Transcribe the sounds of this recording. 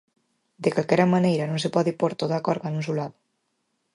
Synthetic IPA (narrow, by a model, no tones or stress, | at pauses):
d̪ekalkɛɾamanejɾanõnsepɔðipoɾt̪oðakɔɾɣanunsulaðo